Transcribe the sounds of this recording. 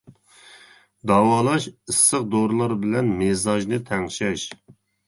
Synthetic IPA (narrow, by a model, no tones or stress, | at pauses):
d̪ɑwɑːlˠɑʃɨsːəqd̪oɾlˠɑɾbɪlɛnmezɑʒnɨt̪ʰɛŋʃɛʃ